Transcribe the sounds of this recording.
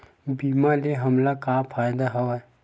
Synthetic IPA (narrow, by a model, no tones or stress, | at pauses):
biːmaleɦɐmlakaːpʰaːjd̪aɦɐʋa